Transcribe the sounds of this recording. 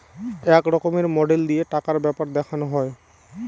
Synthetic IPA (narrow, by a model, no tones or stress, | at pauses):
ɛkɾɔkomeɾmɔɖeld̪ijeʈakaɾbɛpaɾd̪ɛkʰanoɦɔe